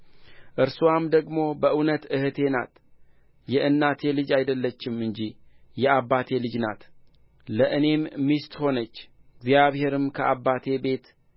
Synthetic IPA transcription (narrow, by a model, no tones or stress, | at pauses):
ʔɨɾsuwamd̪əɡmo̞bəʔɨwnət̪ɨhɨt̪ʰe̞na̰t̪ | jɛʔɨnːat̪ʰe̞lɨd͡ʒajd̪əlːət͡ʃːɪmɨɲd͡ʒijɛaβːat̪ʰe̞lɨd͡ʒna̰t̪ | ləʔɨne̞mːist̪ho̞nət͡ʃːɪɡzjaβhe̞ɾɨmkʰəʔaβːat̪ʰe̞be̞t̪